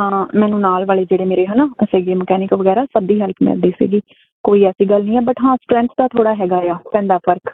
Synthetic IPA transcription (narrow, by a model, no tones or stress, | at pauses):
ɦãːmɛ̃ːnũːnaːlʋaːleːd͡ʒeːɽeːmeːɾeːɦənaːseːɡeːməkɛːnɪkʋəɡɛːɾaːsəb̚d̪iːɦɛlpʰmɪ̰ld̪iːsḭːɡiː | koːiːɛːsiːɡəlnĩːɛːbəʈɦãːsʈɾɛ̃ːnt̪ʰd̪aːt̪ʰoːɽaːɦɛːɡaːjaːpɛ̃ːnd̪aːpʰəɾk